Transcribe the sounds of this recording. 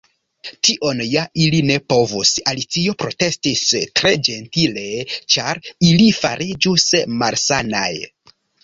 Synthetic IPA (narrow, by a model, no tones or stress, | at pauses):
tiʔo̞njailine̞po̞vusalit͡sio̞pɾo̞te̞stistɾe̞d͡ʒe̞ntile̞t͡ʃaɾilifa̰ɾid͡ʒusmalsana̰j